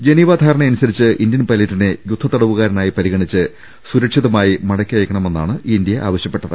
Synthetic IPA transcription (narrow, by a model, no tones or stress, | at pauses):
d͡ʑe̞niːʋaːd̪ʱaːɾɐɳeɐnusɐɾit͡ɕːɨʔind̪jɐnpɐliʈːinɨjud̪ʱːɐt̪ːɐɽɐʋuɣaːɾɐnaːjipɐɾiɣɐɳit͡ɕːɨ | suɾɐkʂiðɐmaːjimɐɽɐkʲːiʋɐjkːɐɳɐme̞nːaːɳɨʔiind̪ijɐʔa̰ːʋɐɕjɐpːe̞ʈːɐðɨ̰